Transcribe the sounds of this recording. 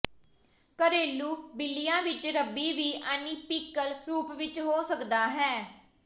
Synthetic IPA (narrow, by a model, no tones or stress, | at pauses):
kəɾeːlːuːbɪlːijãːʋɪt͡ʃɾəbiːʋiːʔaniːpiːkəlɾuːpʋɪt͡ʃɦoːsəkd̪aːɦɛː